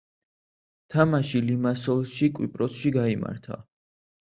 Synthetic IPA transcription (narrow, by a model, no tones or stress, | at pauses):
t̪ʰamaʃilimasɔlˠʃikʼwḭpʼɾɔsʃiɡaima̰ɾt̪ʰa̰